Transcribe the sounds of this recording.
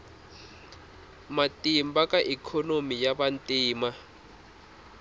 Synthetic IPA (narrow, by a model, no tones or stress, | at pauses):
matʼimbakʼaʔikʰɔnomijabantʼiːma